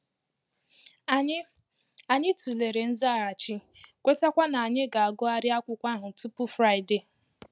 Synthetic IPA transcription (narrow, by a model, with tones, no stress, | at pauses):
a˨ɲɪ˦tu˨le˨ɾe˨n̩˦za˦˨a˨t͡ʃɪ˦ | kʷe˦ta˦kʷa˦na˨a˨ɲɪ˦ɡa˨a˨ɡʊ˦a˦ɾɪ˦a˦kʷʊ˦kʷa˦ɦʊ˨tu˦pʊ˦fɾa˦ɪ˨de˨